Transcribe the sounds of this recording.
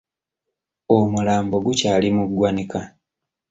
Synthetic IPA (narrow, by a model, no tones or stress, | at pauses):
omulaːmbo̞ɡucaːlimuɡwaneka